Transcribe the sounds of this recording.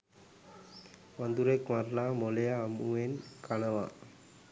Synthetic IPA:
ʋɐnd̪uɾekmaɾlaːmɔlejamuenkanɐʋa̰ː

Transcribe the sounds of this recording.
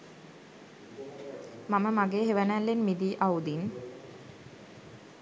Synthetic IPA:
maməmaɡeːɦeʋənælːenmid̪iːʔaud̪in

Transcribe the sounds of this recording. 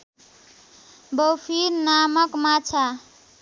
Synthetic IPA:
bowpʰiɾnamʌkmat͡ʃʰa

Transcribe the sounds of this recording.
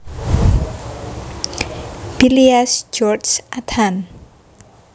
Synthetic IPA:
b̥iliasd͡ʒɔrsʔat̪ʰan

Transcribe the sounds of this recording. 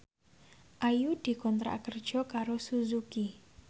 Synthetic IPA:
ʔajud̪̥i̤kɔnt̪ɾa̰kərd̥ʒ̥ɔ̤kaɾosuzuki

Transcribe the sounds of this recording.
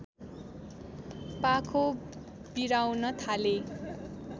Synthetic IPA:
pakʰo | biɾawnʌt̪ʰale

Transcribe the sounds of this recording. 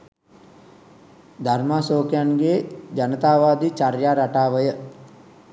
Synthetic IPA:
d̪ʱarmaːsoːkjanɡeːd͡ʒanət̪aːʋaːd̪it͡ʃaɾjaːɾaʈaːʋəjə

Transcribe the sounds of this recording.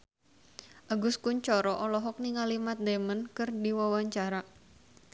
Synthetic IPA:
ʔaɡʊskuɲt͡ʃɔɾɔʔɔlɔɦɔk̚niŋalimat̪̚d̪emənkɨrdiwawaɲt͡ʃaɾa

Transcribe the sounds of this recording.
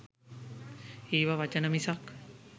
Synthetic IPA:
iːʋaʋat͡ʃənəmisak

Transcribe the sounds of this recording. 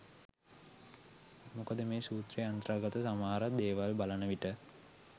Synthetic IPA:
mukəd̪əmeːsuːt̪reant̪ɾaːɡat̪əsamaːɾad̪eːʋalbalanəʋiʈə

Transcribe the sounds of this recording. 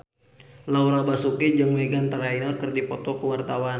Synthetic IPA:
lauɾabasukid͡ʒəŋmɛɡant̪əɾainalkərdipɔt̪ɔkəwart̪awan

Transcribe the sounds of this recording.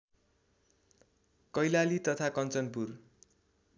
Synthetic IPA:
kʌjlalit̪ʌt̪ʰakʌnt͡sʌnpur

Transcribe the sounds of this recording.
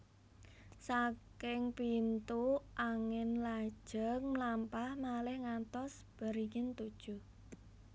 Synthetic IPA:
sakɪŋpint̪uʔaŋɪnlad̥ʒ̥əŋmlampahmalɪhŋat̪ɔs | b̥ə̤ɾiŋɪnt̪ud̥ʒ̥u

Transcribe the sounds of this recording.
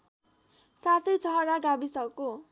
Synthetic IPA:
sat̪ʰʌjt͡sʌɦʌɾaɖabisʌko

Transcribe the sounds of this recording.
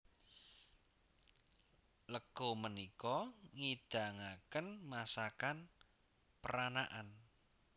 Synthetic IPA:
ləɡ̥omənikɔŋid̪̥a̤ŋakənmasakan | pəɾanaʔan

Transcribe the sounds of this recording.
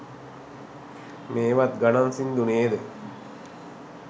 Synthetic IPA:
meːʋat̪̚ɡanansind̪uneːd̪ə

